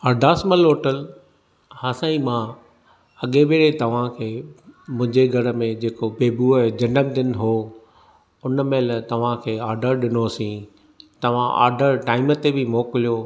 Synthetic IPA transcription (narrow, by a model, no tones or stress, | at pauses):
ɐɾd̪ʱaːsməloːʈəl | haːsãːimã | ɐɠebeːɽet̪ɐʋ̤ãkʰeːmʊ̃ɦɪ̃ɲd͡ʑeɡʱɐɽəmẽd͡ʑeːkobeːbued͡ʑɐ̃nɖəmd̪ɪnɦoː | ʊnəmẽlt̪ɐʋ̤ãkʰeːaːɾɖəɾɗɪnosĩ | t̪ɐʋ̤ãʔa̰ːɾɖəɾʈaːɪmət̪ebɪmoːkɪlijo